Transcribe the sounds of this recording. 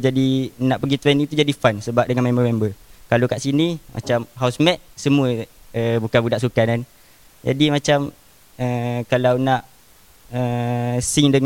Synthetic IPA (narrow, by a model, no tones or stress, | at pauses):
d͡ʒadinaʔpəɡit̪ɾɛniŋt̪ud͡ʒadifansəbap̚dəŋanmɛməmɛmbəkalokaʔsinimʔa̰t͡ʃamɦausmɛt̪̚səmuəəbukanbudaʔsukanan | d͡ʒa̰dimãt͡ʃam | əkalawnaʔ | əsiŋdəŋ